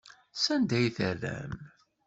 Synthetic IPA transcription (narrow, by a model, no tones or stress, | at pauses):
sænd̪æjθərːæ̰m